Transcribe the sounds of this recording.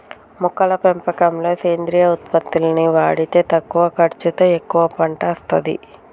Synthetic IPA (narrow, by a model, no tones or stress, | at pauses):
mukːɐlɐpempɐkɐmlo̞ːseːnd̪ɾiːjɐut̪̚pɐt̪ːilɐniʋaːɽit̪e̞ːt̪ɐkːuʋɐkɐɾt͡ʃit̪ɐekːuʋɐpɐɳʈɐːst̪ɐd̪ḭ